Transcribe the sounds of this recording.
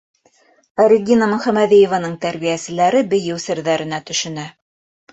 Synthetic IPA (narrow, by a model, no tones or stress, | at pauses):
æɾiɡinɑmɵ̆χæmæðijĕvɑnɤɴt̪æɾβijæsɘ̆læɾɘbɘ̆jɘwsɘ̆ɾðæɾɘ̆næt̪ɵ̆ʃɵ̆næ